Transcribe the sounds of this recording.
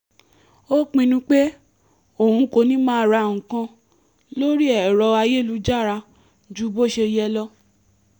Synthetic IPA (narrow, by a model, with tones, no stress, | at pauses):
o˦k͡pĩ˧nũ˧k͡pe˦ | o˦˨hũ˧ko˧nĩ˦mãː˦˨ɾa˨˧˨ŋũ˨kã˧ | lo˦ɾi˦ɛ˦˨ɾɔ˧a˧je˦˨lu˧˦d͡ʒa˦˨ɾa˧ | d͡ʒu˦bo˦˨ʃe˧jɛ˧lɔ˦